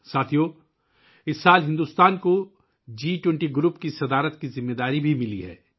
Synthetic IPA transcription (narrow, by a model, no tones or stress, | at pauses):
saːt̪ʰijoː | ɪsːaːlɦɪ̃nd̪uːst̪aːnko | d͡ʒiːʈwɛ̃ɳʈiɡɾupkisɐd̪aːɾət̪kizɪmːeːd̪aːɾibʱimɪliɦɛ̰ː